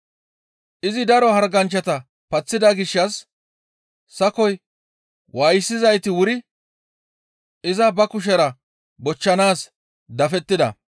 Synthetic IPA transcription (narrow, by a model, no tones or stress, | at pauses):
ʔɪzɪd̪ɐɾɔhɐɾɡɐnt͡ʃːɐt̪ɐ | pɐt͡sːɪd̪ɐɡɪʃːɐs | ɐkɔj | wʔajsːɪzɐjt̪ɪwʊɾɪ | ɪzɐbɐkʊʃ̬ɛɾɐ | bɔt͡ʃːɐnaːs | d̪ɐfɛt̪ːɪd̪ɐ̰